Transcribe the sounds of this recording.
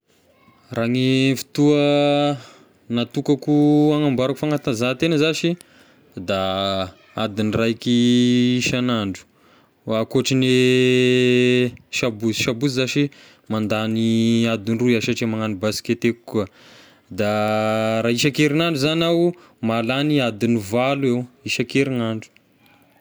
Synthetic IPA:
raŋifi̥t̪uə | nat̪ukakuaŋambaɾakufaŋat̪anzat̪enəzaʃi | d̪a | ad̪inrakiiʃanaɳɖ͡ʐu̥ | akoʈ͡ʂine | ʃabusiʃabuzizaʃi | mand̪aniad̪inruaʃaʈ͡ʂemaŋanibasi̥ket̪ekkuə | d̪a | ɾaːiʃakeɾinaɳɖ͡ʐuzanaw | malaniad̪inivaluewiʃakeɾinaɳɖ͡ʐu̥

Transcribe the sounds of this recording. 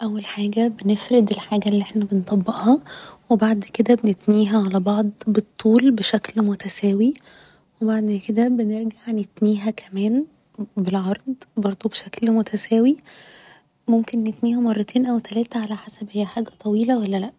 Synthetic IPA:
ʔæwːælħaːɡæbenefɾed̪elħaːɡælːiʔeħnæbent̪ˤɑbːeʔhɑwebaʕd̪ked̪æbenet̪niːɦæʕalæbɑʕd̪ˤbet̪ˤːuːlbeʃæklmot̪æsæːwi | webaʕd̪ked̪æbeneɾɡaʕnet̪niːɦækʰæmæːn | belʕɑɾˤd̪ˤbɑɾˤd̪ˤubeʃæklmot̪ʰæsæːwi | momkenːet̪niːhæmɑrˤːɑt̪ʰeːnʔæwt̪ælæːt̪æʕalæħasæbʔejːæħaːɡæt̪ˤɑwiːlæwælːælæʔ

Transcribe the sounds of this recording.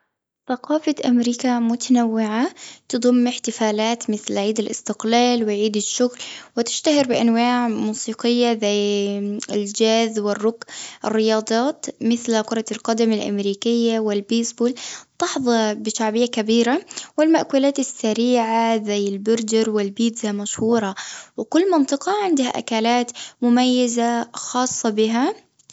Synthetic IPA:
θaqɑːfaʔamɾiːkamʊt̪ʰanawːɪʕat̪ɨd̪ˤʊmːɪħt̪ɪfaːlaːt̪mɪθlʕiːd̪ɪlʔɪ̰st̪ɪqlaːlwɪʕiːd̪ɪʃːʊɣlwɪt̪ɪʃt̪ahɪɾbɪʔanwaːʕmuːsiːqɪjːazaj | ɪld͡ʒaːzwɪrːʊɡʔɪ̰rːɪjɑːd̪ˤɑːt̪mɪθlqʊɾˤɑlqɑd̪amɪlʔa̰mɾiːkɪjːawɪlbeːsbuːlt̪ɑħðˤɑbɪʃaʕbɪjːakabiːɾawɪlmaʔkuːlaːt̪ɪsːaɾiːʕazajːɪlbʊɾd͡ʒɪɾwɪlbiːd̪zamaʃhuːɾˤɑwɪkʊlːmɑnt̪ˤɨqɑʕɪnd̪ha̰ʔa̰kaːlaːt̪mʊmajːazaxɑːsˤːɑbɪɦa

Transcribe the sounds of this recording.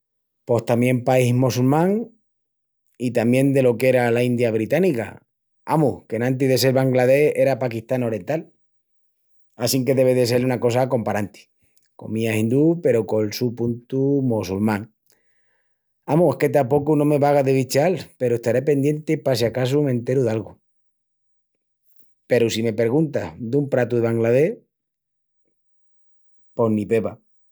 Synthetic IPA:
po̞ht̪amjẽ̞mpaihmosulmãŋ | it̪amje̞nd̪e̞lo̞kee̞ɾalaind̪jaβ̞ɾit̪anika̰ | a̰muhkenãnt̪̬iðe̞s̬e̞lβaŋɡlað̞e̞he̞ɾapakiht̪ano̞ɾje̞nt̪al | asiŋke̞ðe̞βeðe̞s̬e̞lunako̞s̬ako̞mpaɾant̪i̥ | ko̞̰mĩasind̪upe̞ɾo̞ko̞lsupunt̪umosulmãŋ | amuehke̞t̪̬apo̞kunõme̞βaɣ̞aðeβit͡ʃalpe̞ɾoe̞ht̪aɾe̞pe̞nd̪je̞nt̪epasakas̬umẽ̞nt̪e̞ɾuðalɣu | pe̞ɾusime̞pe̞ɾɣ̞unt̪ahd̪umpɾat̪uðeβaŋɡlað̞e̞h | po̞hnĩpe̞βa

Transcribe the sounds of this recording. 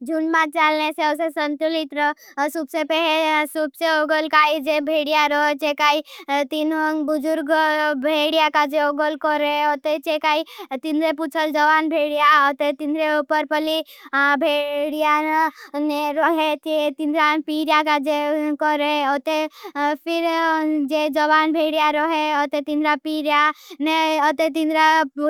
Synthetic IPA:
d͡ʒunmãt̪̚t͡ʃaːlneseosesənt̪ulit̪ɾɔsubsepɛesubseoɡəlkaːid͡ʒebʱeːɽijaɾɔt͡ʃekaːit̪inɔbʊd͡ʒʊɾɡbʱeːɽijakad͡ʒeoɡəlkɔɾeot̪et͡ʃekaːit̪ind̪ɾeput͡ʃʰəld͡ʒəʋaːnbʱeɽijaot̪et̪ind̪ɾeupəɾpəlibʱeɽijaneɾɔɦet̪et̪ind̪ɾapiɾjakad͡ʒekɔɾeɔt̪epʰɪɾd͡ʒed͡ʒɔʋaːnbʱeːɽijaɾɔɦeɔt̪et̪ind̪ɾapiɾjaneɔt̪et̪ĩnd̪ɾa

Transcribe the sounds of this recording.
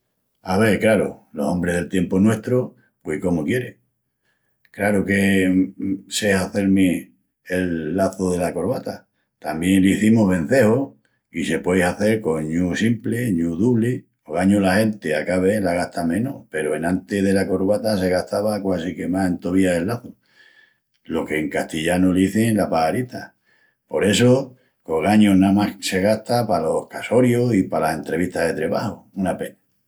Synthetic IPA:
aβe̞ɾklaɾo̰lo̞̰so̞mbɾeɦðelt̪je̞mponwe̞ht̪ɾo | pwehko̞mokje̞ɾeŋ | kɾaɾoke̞ | sehaθe̞ɾmi | elːaθoðe̞lako̞ɾβat̪a | t̪ambje̞nliθimoɦβẽ̞n̟θe̞ho | ise̞pwejsaθe̞ɾko̞ɲusimpleɲuðuβli | oɣaɲolahe̞nt̪eakaβe̞laɣ̞aht̪amẽ̞nope̞ɾoenãnt̪eðe̞lako̞ɾβat̪as̬e̞ɣ̞aht̪aβakwasikemase̞nt̪oβiaðelːaθu | lo̞ke̞ːŋkaht̪iʎanuliθelapaaɾit̪a | po̞ɾe̞so | ko̞ɣaɲonamahse̞ɣ̞aht̪apalo̞hkaso̞ɾjosipalase̞nt̪ɾe̞βit̪aɦðe̞t̪ɾe̞βahounapena

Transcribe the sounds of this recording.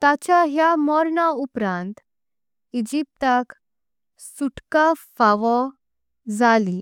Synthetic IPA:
t̪at͡ɕaɦjamɔɾɳaupɾãnt̪ | id͡ʑip̚t̪ak | suʈkafaʋɔ | d͡zali

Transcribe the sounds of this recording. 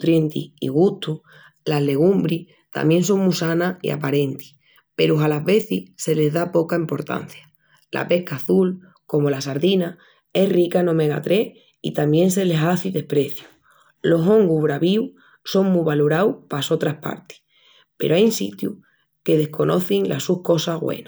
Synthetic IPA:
t̪ɾje̞nt̪ḭḭɣ̞uht̪u | laɦle̞ɣ̞umbɾih | t̪a̰mje̞ns̬o̞ŋmusanaḭa̰paɾe̞nt̪i̥ | pe̞ɾuɦalaɦβe̞θise̞le̞zðapo̞kaimpo̞ɾt̪a̰n̟θjḁ | lʔa̰pe̞hkaːθul | ko̞mo̞lasaɾðina | e̞hrikano̞me̞ɣa̰t̪ɾe̞h | ḭt̪ambje̞nse̞le̞saθiðe̞hpɾe̞θju | lo̞ɦo̞ŋɡuβɾaβiw | so̞ŋmuβaloɾawpaso̞t̪ɾahpa̰ɾt̪i̥ | pe̞̰ɾoajnsḭt̪ju | ke̞ð̞e̞hko̞nʔo̞̰θiŋlʔa̰suhko̞saɣwḛna

